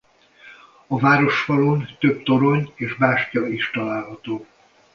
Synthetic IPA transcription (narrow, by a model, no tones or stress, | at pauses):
ɒvaːɾo̞ʃfɒlo̞nt̪ø̞bt̪o̞ɾo̞ɲeːʒbaːʃcɒiʃt̪ɒlaːlɦɒt̪oː